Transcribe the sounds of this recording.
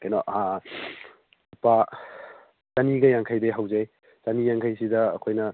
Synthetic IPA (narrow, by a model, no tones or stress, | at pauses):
kanɔa | pa | sɐniɡɐjaŋkʰajdeɦawzaj | sɐnijaŋkʰajsidɐ̰ːkʰojnɐ